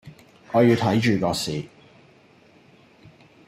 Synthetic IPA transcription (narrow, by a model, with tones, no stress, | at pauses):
ŋɔː˨˧jiː˧wt̪ʰɐ˨˥jt͡ʃyː˨˩kɔː˧siː˨